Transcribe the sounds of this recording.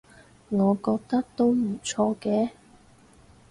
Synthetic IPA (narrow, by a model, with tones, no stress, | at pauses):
ŋɔː˨˧kɔː˧k̚t̪ɐ˥k̚t̪o˥wm̩˨˩t͡ʃʰɔː˧kɛː˧˦